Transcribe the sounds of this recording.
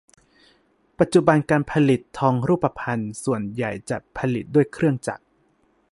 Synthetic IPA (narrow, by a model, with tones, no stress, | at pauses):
pa˨˩t̪̚t͡ɕu˨˩ba˧nkaː˧npʰa˧li˨˩t̪ʰːɔː˧ŋɾuː˥˩pːa˧pʰa˧nsu˨˩ənja̰˨˩jt͡ɕa̰˨˩pʰa˧li˨˩t̪̚du˥˩əjkʰɾɯ˥˩əŋt͡ɕa̰˨˩k̚